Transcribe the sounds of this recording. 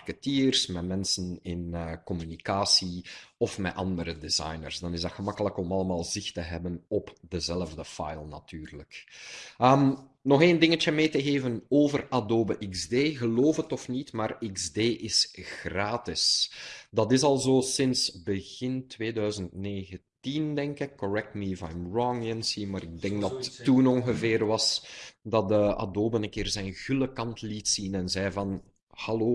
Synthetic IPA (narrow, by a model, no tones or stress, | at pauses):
rkətiːrsmɛtmɛnsənɪnəkɔmynikaːsiɔfmɛʔɑndəɾədizɑ̰jnə̰rzdɑnɪzdɑtxəmɑkələkɔmɑləmaːlˠzɪxtəɦɛbənɔpdəzɛləvdəfa̰jlˠna̰tyːrlək | əm | nɔxeːndɪŋət͡ʃəmeːtəɣeːvənoːvəradoːbəʔiɡzdeːɣəloːfətɔfnitmaːriɡzdeːʔɪsɣraːtɪsdɑtɪsɑlˠzoːsɪnsbəɣɪntweːdœːɥzəntneːɣətindɛŋkɪkːɔɹɛk̚tmiva̰jmɹɔŋənsimaːɾɪɡ̚dɛŋɡ̚dɑttːunɔŋɣəvɪːrʋɑsdɑt̚dəa̰doːbənənkɪːrzɛjnɣyləkɑntlitsinɛnzɛjvɑn | hɑloː